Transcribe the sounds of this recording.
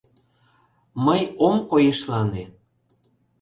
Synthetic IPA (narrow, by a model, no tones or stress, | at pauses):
məjomkojeʃlɑne